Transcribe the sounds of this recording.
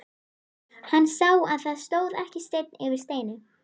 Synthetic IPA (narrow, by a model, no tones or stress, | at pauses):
hanːsawaðθaðst̪oːwðɛhcɪst̪ejt̪̚nɪvɪɾ̥st̪eːjnɪ